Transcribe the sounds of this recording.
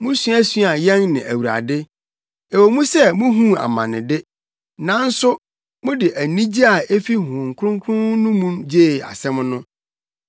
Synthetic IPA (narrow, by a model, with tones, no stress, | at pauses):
mʊ̃˦sɥæ˦sɥa˨jɛ̃˦nnɪ̃˨ʔæ̰˨wu˨ɾa̰˨dɪ˦ | e˨wo˨mũ˦sɛ˦mʊ̃˦ɦũ˦a̰˨mã̰˨nɪ̰̃˨dɪ˦ | nã˦n̩˦sʊ˦ | mʊ̃˦dɪ˨ʔæ˨nĩ˦d͡ʑi˦a˨e˦fi˦ɦʊ̃˨ŋ̩˨kʰɾʊ̃˦ŋ˦kʰʊ̃˦nʊ̃˦mũ˦md͡ʑeː˦˨a̰˨sɛ̃˦m˦nʊ̃˦